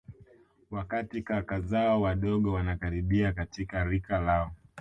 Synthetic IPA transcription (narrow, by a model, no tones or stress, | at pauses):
wakatikakazaɔwaɗɔɠɔwanakaɾiɓiakatikaɾikalaɔ